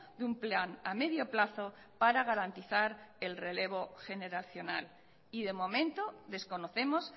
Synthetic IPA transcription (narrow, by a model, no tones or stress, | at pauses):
ðumplaname̞ðjo̞plaθo̞ | paɾaɣ̞aɾant̪iθaɾe̞lre̞le̞β̞o̞xe̞ne̞ɾaθjo̞nal | iðe̞mõ̞mẽ̞nt̪o̞ðe̞sko̞no̞θe̞mo̞s